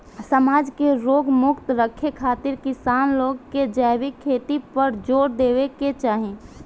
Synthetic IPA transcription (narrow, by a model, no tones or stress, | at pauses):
səmaːd͡ʒkeɾoːɡmʊkt̪ɾəkʰekʰaːt̪ɪɾkɪsaːnloːɡked͡ʒaɪbɪkʰːeːt̪ipəɾd͡ʒoːɽd̪eːʋeket͡ʃaːɦẽ